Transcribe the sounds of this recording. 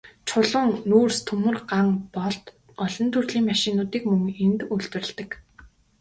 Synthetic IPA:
t͡ɕʰʊɮʊŋnuːrst̪ʰɵmɵ̆rɢaŋpɔɮt̪ | ɔɮɞ̆nt̪ʰurɮiːŋmaʃɪ̆nːʊːt̪iːkmɵŋent̪uɮt̪wɘ̆rɘ̆ɮt̪ə̆k

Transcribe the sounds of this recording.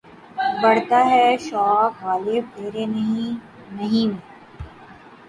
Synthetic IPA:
bɐɽt̪aɦɛʃaːɣaːlɪb̚eːɾen | nɐɦĩnẽː

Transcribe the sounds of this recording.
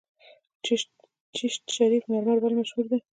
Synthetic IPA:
t͡ʃ | t͡ʃiʃt̪ʃaɾifmeɾmaɾbalmaʃhuɾd̪e

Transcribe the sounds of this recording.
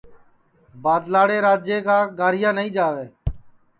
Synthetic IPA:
baːd̪laːɽeːɾaːd͡ʒjeːkaːɡaːɾɪjãːnəĩːd͡ʒaːʋeː

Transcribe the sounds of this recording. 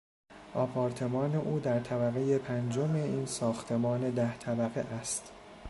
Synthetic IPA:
ʔɒːpʰɒːɾt̪ʰe̞mɒːne̞ʔuːd̪æɾt̪ʰæbæɣe̞je̞pʰænd͡ʒome̞iːnsɒːxt̪ʰe̞mɒːne̞d̪æht̪ʰæbæɣḛʔæst̪

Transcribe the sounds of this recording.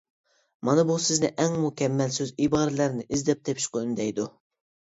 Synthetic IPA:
mɑnɨbusɪznɪʔɛŋmukʲɛmːɛlsøzibɑːɾɨlæɾnɪʔizd̪ɛp̚d̪ʰɛpʃqʊynd̪ɛjd̪u

